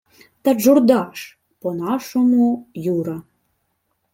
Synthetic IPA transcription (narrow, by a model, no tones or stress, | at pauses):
t̪ə̆ʒurd̪ɑʃ | ponɑʃomujuɾɑ